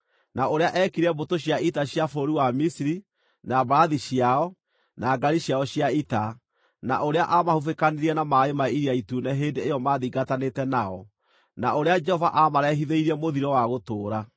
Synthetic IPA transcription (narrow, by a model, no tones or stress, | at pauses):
naoɾeaʔɛkiɾɛbotoɕjaitaɕjafoɾiwamisiɾi | nabaɾaðiɕiaɔ | naːɡaɾiɕjaɔɕjaita | na̰ʔoɾeaʔamahufekaneɾiɛnamaemaiɾiaituːnɛɦeːndeːjɔmaːðiɡatanetɛnaɔ | naoɾead͡ʒɛhɔva̰ʔamaɾɛɦiðeiɾiɛmoðiɾɔwaɣotoːɾa